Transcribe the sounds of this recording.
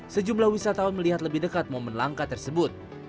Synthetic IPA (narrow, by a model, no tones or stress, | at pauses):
səd͡ʒumlahwisat̪aunməliɦat̪̬ləbihdəkat̪̚momanlaŋkat̪ərsəbʊt̪̚